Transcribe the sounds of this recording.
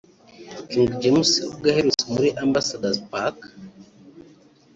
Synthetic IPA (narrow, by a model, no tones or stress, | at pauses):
kiŋɡd͡ʒemusiub̚ɡaheɾusimuɾiʔambasadazpak